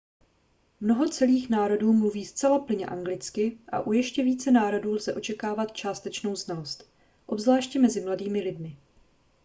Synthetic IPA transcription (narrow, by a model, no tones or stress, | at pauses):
mno̞ɦo̞t͡sɛliːxnaːɾo̞duːmluviːst͡sɛlaplɪɲɛ̰ʔaŋɡlɪt͡skɪʔa̰ʔujɛʃcɛviːt͡sɛnaːɾo̞duːlzɛʔo̞t͡ʃɛkaːvat̪t͡ʃaːst̪ɛt͡ʃno̞wznalo̞st̪ | ʔo̞bzvlaːʃcɛmɛzɪmladiːmɪlɪdmɪ